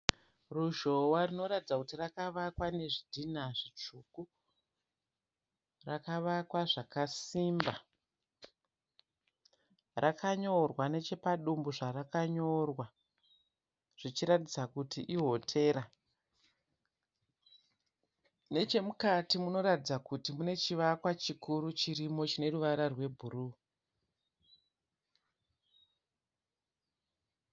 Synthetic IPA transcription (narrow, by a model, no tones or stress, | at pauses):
ruʒo̞warino̞ɾatid͡zakutirakaʋakwane̞ʐidʱinaʐit͡ʂuku | rakaʋakwaʐakasimba | rʔakaɲoo̞rwane̞t͡ʃe̞paɗumbuʐarakaɲorwa | ʐ̥it͡ʃiɾatid͡zakutiʔiɦo̞tʰe̞ːɾa | ne̞t͡ʃe̞mukatimuno̞ɾatid͡zakutimune̞t͡ʃiʋakwat͡ʃikuɾut͡ʃiɾimo̞t͡ʃine̞ruʋaɾarwe̞bʱuɾu